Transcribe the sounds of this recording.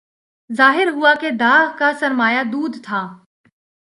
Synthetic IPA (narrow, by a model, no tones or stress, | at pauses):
zaːɦɪɾɦʊaked̪aːɣkasɐɾmaːjad̪uːd̪t̪ʰaː